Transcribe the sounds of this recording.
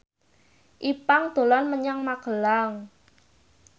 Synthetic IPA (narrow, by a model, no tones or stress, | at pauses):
ʔipaŋd̪̥o̤lanməɲaŋmaɡ̥ə̤laŋ